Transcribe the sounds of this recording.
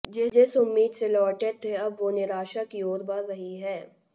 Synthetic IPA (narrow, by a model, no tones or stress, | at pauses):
d͡ʒeːd͡ʒesʊmːiːd̪selɔːʈet̪ʰeɐbʋonɪɾaːʃakioːɾbaɾɾɐɦiɦɛː